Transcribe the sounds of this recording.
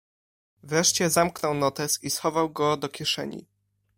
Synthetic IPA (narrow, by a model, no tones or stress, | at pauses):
vɾɛʂt͡ɕɛzamknɔwnɔt̪ɛsisxɔvawɡɔd̪ɔkʲɛʂɛ̰ɲḭ